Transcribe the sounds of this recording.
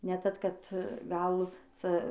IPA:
nʲɛ ˈtɐt ˈkɐt ɡɐlˠ ˈt͡sɐ

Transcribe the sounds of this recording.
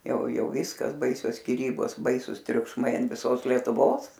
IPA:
ˈjɛʊ ˈjɛʊ ˈʋʲɪskɐs ˈbɐɪsʲoːs sʲkʲɪˈrʲiːboːs ˈbɐɪsʊs tʲrʲʊkʃˈmɐɪ ɐn ʋʲɪˈsoːs lʲiɛtʊˈʋoːs

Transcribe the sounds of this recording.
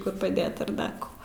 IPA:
kʊr pɐˈdʲeːt ɐr ˈdɐr koː

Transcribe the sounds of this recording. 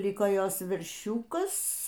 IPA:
ˈlʲɪkoː ˈjoːs ʋʲɛrʲˈʃʲuːkɐs

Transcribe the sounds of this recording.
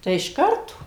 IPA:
ˈtɐɪ ɪʃ ˈkɐrtoː

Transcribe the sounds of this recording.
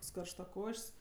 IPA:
ˈkoːks kɐrʃtɐˈkoːʃʲsʲ

